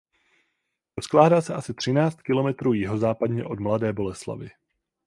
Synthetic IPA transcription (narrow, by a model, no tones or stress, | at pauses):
ɾosklaːdasɛʔasɪt̪r̝̥ɪnaːt͡st̪̚kɪlo̞mɛt̪ɾuːjɪɦo̞zaːpadɲɛ̰ʔo̞dmladɛːbo̞lɛsla̰vɪ̰